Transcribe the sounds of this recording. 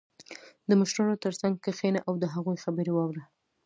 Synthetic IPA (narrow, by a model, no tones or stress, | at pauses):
d̪əməʃɾɑnot̪əɾsaŋɡ̚kəxenaʔawd̪əɦaɣujxabəɾewɑwɽa